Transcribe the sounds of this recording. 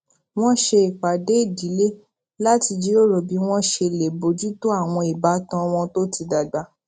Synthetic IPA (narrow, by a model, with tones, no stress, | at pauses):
w̃ɔ̃˦ʃe˧i˨k͡pa˨de˨˦i˦˨di˨˦le˦ | la˦ti˧d͡ʒi˨˦o˦ɾo˨bi˨˦w̃ɔ̃˦ʃe˧˨le˨bo˨˦d͡ʒu˦to˦a˦˨w̃ɔ̃˧i˨ba˨˦tã˧w̃ɔ̃˧to˦ti˧da˨ɡ͡ba˧˦